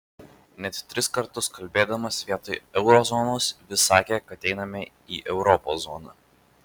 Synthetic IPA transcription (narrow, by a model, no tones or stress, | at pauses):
nʲɛt̪t̪ʲɾʲɪskɐɾt̪ʊskɐlʲbʲeːd̪ɐmɐsʋʲiɛt̪oɪɛʊɾɔzɔnoːsʋʲɪsɑːkʲekɐɐt̪ʲɛɪnɐmʲɛ | iːʔɛʊɾɔpo̰ːsɔ̰ːnɐ̰